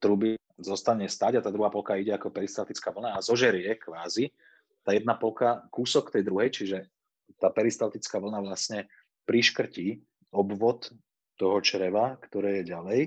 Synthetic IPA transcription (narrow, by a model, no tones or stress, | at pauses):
t̪ɾubi | zɔst̪aɲɛst̪aːɟat̪aːd̪ɾuɦaːpɔlkaiɟɛakɔpɛɾist̪alt̪it͡skaːʋl̩naːzɔʒɛɾɪɛkʋaːzi | t̪aːjɛd̪napɔlkakuːsɔkt̪ɛjd̪ɾuɦɛjt͡ʃiʒɛ | t̪aːpɛɾist̪aʊt̪it͡skaːʋl̩naʋlasɲɛ | pɾiʃkr̩ciː | ɔbʋɔt̪ː | ɔɦɔt͡ʃɾɛʋakt̪ɔɾɛːjɛɟalɛj